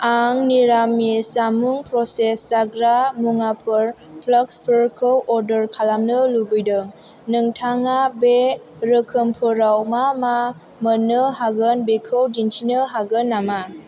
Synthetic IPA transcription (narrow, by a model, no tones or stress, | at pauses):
aŋniɾamisamuŋpɾɔsesːaɡɾamuŋapʰɯɾ | pʰləkspʰəɾkʰɯwʔɔɾdəɾkʰalamnɯlubɯjdɯŋ | nɯŋtʰaŋabe | ɾəkʰɯmpʰɯɾawmama | mənɯɦaɡɯnbekʰɯwdintʰinɯɦaɡɯnːama